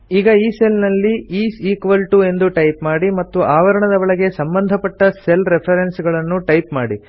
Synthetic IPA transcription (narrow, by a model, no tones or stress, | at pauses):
iːɡɐiːse̞lnɐlːiiːsiːkʋɐlʈue̞nd̪uʈɐjpmaːɽimɐt̪ːuʔaːʋɐɾɐɳɐd̪ɐʋɐɭɐɡe̞sɐmbɐnd̪ʱɐpɐʈːɐselɾepʰɐɾensɡɐɭɐnːuʈɐjpmaːɽi